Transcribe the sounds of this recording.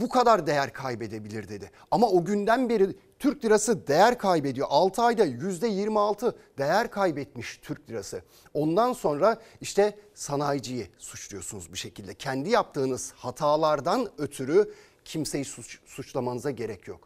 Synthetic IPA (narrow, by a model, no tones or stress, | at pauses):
bukʰad̪aɾd̪e̞jæɾkʰajbe̞d̪e̞bilʲiɾd̪e̞d̪ɪ | amaoɟynd̪ænbeɾi | t̪ʰyɾc̚d̪ʲiɾasɯd̪e̞jæɾkʰajbe̞d̪ijo̞̰ʔalˠt̪ʰɯajd̪ajyzd̪ɛjiɾmialˠt̪ʰɯ | d̪̥e̞jæɾkʰajbɛt̪miʃt̪ʰyɾc̚d̪ʲiɾasɯ | o̞nd̪anso̞nɾaiʃt̪ɛsanajd͡ʒɯjɯsut͡ʃlˠujo̞sunuzbuʃe̞cʰilʲd̪ɛcʰɛnd̪ijap̚t̪ʰɯːnɯz̥hat̪ʰaːlˠaɾd̪anøt̪ʰyɾy | cʰimse̞jisut͡ʃsut͡ʃlˠamanɯzaɟe̞ɾɛcʰjo̞̰k